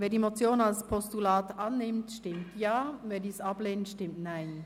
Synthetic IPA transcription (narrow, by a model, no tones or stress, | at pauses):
veːɐdiːmot͡sjoːnalspʰɔstulaːtʔanːɪmtʃtɪmtjaːveːɐdiːsableːnənʃtɪmtnaɪn